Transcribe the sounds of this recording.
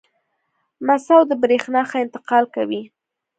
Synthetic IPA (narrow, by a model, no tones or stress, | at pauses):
masawd̪əbɾexnɑxaɪnt̪ɪ̥qɑlkawi